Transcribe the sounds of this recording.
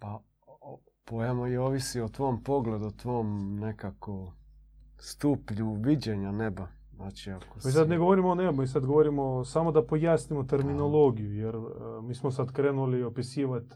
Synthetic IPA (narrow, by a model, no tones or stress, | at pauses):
pa | o | pojamojeoːʋisiot̪ʋoːmpoɡle̞d̪ut̪ʋoːmnekako | st̪upʎuʋid͡ʑeɲaneba | znaːt͡ʃiako̥misad̪neɡoʋoɾimoonebumisad̪ɡoʋoɾimosamo̞d̪apo̞jaːsnimot̪eɾmino̞lˠoːɡijujeɾmiːsmos̬ad̪kɾeːnuliopisiːʋat̪